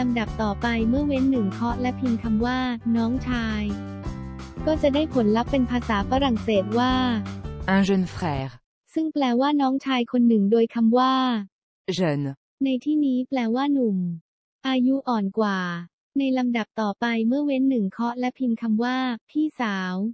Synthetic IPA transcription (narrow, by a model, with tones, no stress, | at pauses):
la˧mda˨˩p̚t̪ɔː˨˩pa˧jmɯ˥˩ɐwe˦˥nːɯ˨˩ŋkʰɔ˦˥ʔlɛ˦˥pʰi˧nkʰa˧mwaː˥˩nɔː˦˥ŋt͡ɕʰaː˧j | kɔː˥˩t͡ɕa˨˩daː˥˩jpʰo˩˦nla˦˥pːe˧npʰaː˧saː˩˦faː˧˥ɾa˨˩ŋseː˨˩t̪̚waː˥˩ʔa˧zo˧nfɾɛː˩˦ɾ | sɯ˥˩ŋplɛː˧waː˥˩nɔː˦˥ŋt͡ɕʰaː˧jkʰo˧nːɯ˨˩ŋdoː˧jkʰa˧mwaː˥˩ | zɤ˧n | na˧jt̪ʰiː˥˩niː˦˥plɛː˧waː˥˩nu˨˩m | ʔaː˧ju˦˥ʔɔː˨˩nkwaː˨˩ | na˧jla˧mda˨˩p̚t̪ɔː˨˩pa˧jmɯ˥˩ɐwe˦˥nːɯ˨˩ŋkʰɔ˦˥lɛ˦˥pʰi˧nkʰa˧mwaː˥˩pʰiː˥˩saː˩˦w